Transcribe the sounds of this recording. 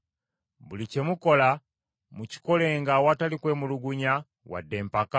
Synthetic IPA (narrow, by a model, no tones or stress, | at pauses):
bulice̞muko̞la | muci̥ko̞le̞ːŋɡawatalikwe̞ːmuluɡuɲa | wa̰dːe̞ːmpaka